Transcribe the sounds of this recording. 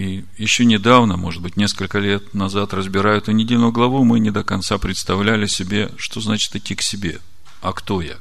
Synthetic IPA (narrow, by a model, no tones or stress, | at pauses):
ijɪɕːo̞nʲɪd̪avnəmo̞ʐɨd̪̚bɨtʲnʲeskəlʲkəlʲe̞t̪nɐzat̪rəzbʲɪɾajʊt̪ʊnʲɪdʲelʲnʊjʊɡlˠɐvumɨnʲɪd̪əkɐnt̪sapɾʲɪt̪st̪ɐvlʲælʲɪsʲɪbʲe̞ʂt̪o̞znat͡ɕɪ̥t̪ɪtʲːiksʲɪbʲe̞̰ | ɐkt̪oja̰